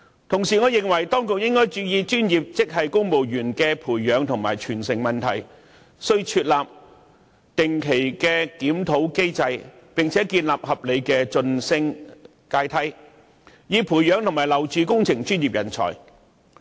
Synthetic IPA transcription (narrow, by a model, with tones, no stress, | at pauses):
t̪ʰʊ˨˩ŋsiː˨˩ŋɔː˨˧jɪ˨˩ŋwɐ˨˩jt̪ɔː˥ŋkʊ˨k̚jɪ˥ŋkɔː˥jt͡ʃyː˨˧jiː˨˧t͡ʃyː˥njiː˨p̚t͡sɪ˥k̚ɦɐ˨jkʊ˥ŋmo˨wjyː˨˩nkɛː˧pʰuː˨˩jːœː˨˧ŋt̪ʰʊ˨˩ŋmaː˨˩jt͡ʃʰyː˨˩nsɪ˨˩ŋmɐ˨nt̪ʰɐ̰˨˩j | sɵ˥ɥt͡ʃʰyː˧t̚laː˨p̚ | t̪ɪ˨ŋkʰe˨˩jkɛː˧kiː˨˥mt̪ʰo˨˥wke˥jt͡sɐ˧jpɪ˨ŋt͡sʰɛː˨˥kiː˧nlaː˨p̚hɐ˨p̚le˨˧jkɛː˧t͡sɵ˧nsɪ˥ŋ | kaː˧jt̪ʰɐ˥j | jiː˨˧pʰuː˨˩jjœː˨˧ŋt̪ʰʊ˨˩ŋmaː˨˩jlɐ˨˩wt͡syː˨˧kʊ˥ŋt͡sʰɪ˨˩ŋt͡ʃyː˥njiː˨p̚jɐ˨˩nt͡sʰɔ̰ː˨˩j